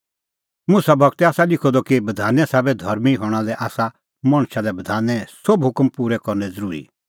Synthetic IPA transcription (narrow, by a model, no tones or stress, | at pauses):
mʊsabʱɐɡt̪ɛaːsalɪkʰɔd̪ɔkibɐd̪ʱaːnɛsɛːbɛd̪ʱɐɾmiɦɔːɽ̃alɛʔaːsa | mɐɽ̃ʃad̪ɛbɐd̪ʱaːnɛsobɦʊkmpuːɾɛkɔɾnɛzɐɾuːɾḭ